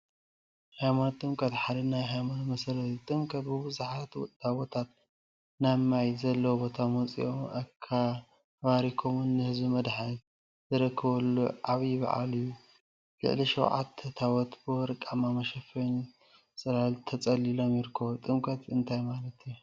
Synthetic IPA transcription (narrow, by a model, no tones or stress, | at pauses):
hajmant̪ʼɨmkʼɐt̪ħad̪ɐnajɦajmanmɐsɐlɐt̪it̪ʼɨmkʰʼɐt̪bɨbɨzaħat̪t̪awot̪ʰat̪̚ | namajzɐlːɐwobo̞t̪ʰamot͡sʼḭʔomʔɐkʰːa | βaɾikʰomunːɨhɨzbimɐd̪ħa | zɨɾɐkʰːɐβɐlːṵʔaβjbɐ̰ʕa̰lɨjːu | lɨ̰ʕliʃɐwʕa̰t̪ʰːɐt̪ʰawɔt̪bɨɾɨkʼamamɐʃɐfɐn | sʼɐlalt̪ʰɐt͡sʼɐlilo̞mjɪɾkʰːɐβot̪ʼɨmkʰʼɐt̪ɨnt̪ʰajmalɐt̪ju